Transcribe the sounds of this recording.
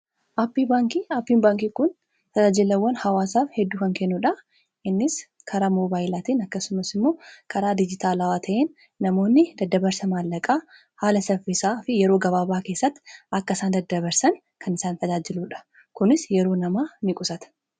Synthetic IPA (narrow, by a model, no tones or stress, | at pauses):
ʔaːpːibaːŋkiːaːpːiːnbaːŋkiːkʊn | t̪ɐd͡ʒaːd͡ʒɪlɐwːɐnhɐwaːsaːfhɛd̪ːuːkɐŋkɛnːuᶑɐ | ʔɪnːɪs | kʰɐɾamoːbaːjɪlaːt̪iːnɐkːɐsʊmɐsɪmːo̞ːkʰɐɾaːd̪ɪd͡ʒɪt̪aːlɐwaːt̪ʰɐʔeːnː | ɐmo̞ːnːɪd̪ɐd̪ːɐbɐɾsɐmaːlːɐkʼaː | haːlɐsɐfɪsaːfɪjɛɾoːɡɐβaːbaːke̞ːsːɐt̪ːʔɐkːɐɪsaːnd̪ɐd̪ːɐbɐɾsɐn | kʰɐnɪsaːnt̪ɐd͡ʒaːd͡ʒɪluːᶑɐ̥ | kʊnɪsjɛɾo̞ːnɐmaːnɪkʼʊsɐt̪ɐ̥